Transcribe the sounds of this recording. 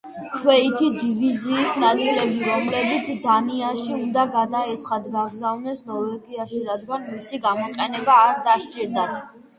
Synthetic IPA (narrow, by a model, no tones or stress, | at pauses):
kʰwɛit̪ʰid̪iviziːsnat̪ʼilɛbiɾɔmlɛbit̪sʰd̪aniaʃiund̪aɡad̪aɛtsχad̪ɡaɡzavnɛsnɔɾvɛɡiaʃiɾad̪̚ɡanmisiɡamɔqʼɛnɛbaːɾd̪aʃt͡ʃʼiɾd̪at̪ʰ